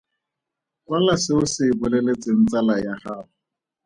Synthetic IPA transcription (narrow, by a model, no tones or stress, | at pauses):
kwalasɪʊsɪːbʊlelet͡sʼɪn̩t͡salajaraːlʊ